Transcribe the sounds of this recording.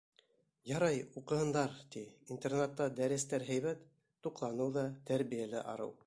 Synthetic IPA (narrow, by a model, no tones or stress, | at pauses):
jɑɾɑjuqɤ̆hɤ̆nd̪ɑɾt̪iint̪ernat̪ːɑd̪æɾɘ̆st̪æɾɦɘ̆jβæt̪ː | uqlˠɑnɤwðɑt̪æɾβijælɘʔɑ̰ɾɤ̰w